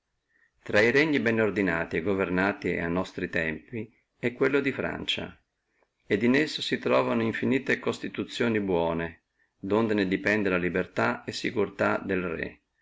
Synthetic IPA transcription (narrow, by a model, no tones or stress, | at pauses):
t̪ɾaiɾɛɲːibɛnord̪inaːt̪ieɡovernaːt̪ia̰nɔst̪ɾit̪ɛmpi | ɛkːwelːod̪ifɾa̰nt͡ʃa̰ | ed̪inesːosit̪ɾɔːvanoiɱfiniːt̪ekost̪it̪ut̪sːjoːnibwɔːne | d̪ond̪ened̪ipɛnd̪elalibert̪aesːikurt̪ad̪elrɛ̰